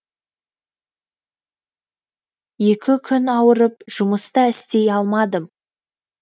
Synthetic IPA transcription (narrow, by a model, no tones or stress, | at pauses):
je̞kʲɪkʲʰʏnɑwəɾəpʒ̥ʊməst̪ɑɪst̪e̞jɑlˠmɑd̪əm